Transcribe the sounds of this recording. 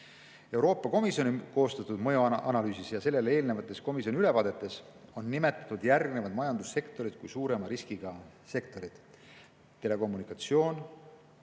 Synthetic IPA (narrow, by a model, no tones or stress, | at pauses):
e̞wɾoːpːˑɑko̞misjo̞niko̞ːst̪ɑt̪ːˑud̪̥mɤjoʔɑnɑlyːsisjɑse̞lːe̞le̞ːlne̞vɑt̪ːˑe̞sko̞misio̞niyle̞vɑːd̪̥e̞t̪ːˑe̞so̞nːime̞t̪ːˑɑ̥t̪ːud̪jærɡne̞vɑd̪mɑjɑnd̪usːe̞kt̪o̞ɾid̪̥̚kujsuːɾe̞mɑɾiskiɡ̥ɑ | se̞kt̪o̞ɾid̪̥ | t̪ːe̞le̞ko̞mːunikɑt̪sio̞ːn